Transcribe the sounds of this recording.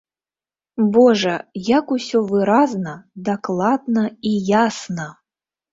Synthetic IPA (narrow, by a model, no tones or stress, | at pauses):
bɔʐɐjakusʲɔvɨɾaznɐd̪aklˠad̪nɐijasnɐ